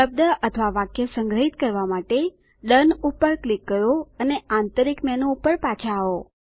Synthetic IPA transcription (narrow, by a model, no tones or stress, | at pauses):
əb̚d̪əʔət̪ʰʋaʋakjəsəŋɡɾəɦit̪kəɾʋamaʈe | ɗənupəɾklikːəɾoəneãnt̪əɾikmɛnoupəɾpat͡ʃʰaːo